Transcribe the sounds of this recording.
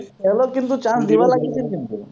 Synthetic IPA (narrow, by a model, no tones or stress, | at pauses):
ɛlokĩnt̪̬ut͡ʃãsd̪iʋalaɡit͡ʃʰinkint̪u